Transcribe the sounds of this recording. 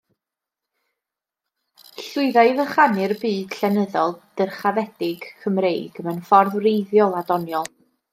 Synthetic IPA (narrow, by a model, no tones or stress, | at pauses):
ɬʊɨðajvəχanɨrbiːd̥ɬɛnəðɔlˠd̥ərχavɛd̥ɪɡ̥kʰəmrejɡ̥əmənfɔrðrejðjɔlˠadɔnjɔlˠ